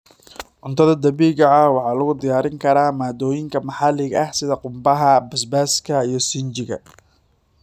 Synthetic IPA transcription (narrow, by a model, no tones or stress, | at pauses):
ʕʊnt̪ʰɐðɐd̪ɐβiːɣɐɐwɑħɑːlɐɣʊd̪ɪjaːɾɪŋkʰɐɾaːmaːd̪ɔːjɪŋkʰɐmɑħɑlɪɣɐhsɪðɐqʊmbɐɦɐbɐsbaːskʰɐijɞsɪnt͡ʃɪɣɐ̰